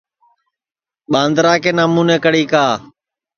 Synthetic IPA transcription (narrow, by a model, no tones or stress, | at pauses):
ɓãːnd̪ɾaːkeːnaːmuːneːkəɽiːkaː